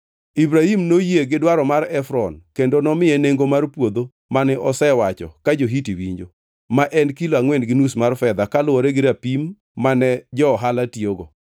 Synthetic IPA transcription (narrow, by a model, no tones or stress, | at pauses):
ibɾahimnojeɡɪdwaɾɔmaɾɛfɾɔnkendonɔmɪeneŋɡomarpwod̪o | manɪʔɔsɛwat͡ʃɔ̰kad͡ʒoɦitiwiɲd͡ʒo | maʔɛnkiloaŋwɛnɡɪnusmarfɛd̪akalʊwɔɾeɡɪɾapimː | anɛd͡ʒɔːɦalatioɡɔ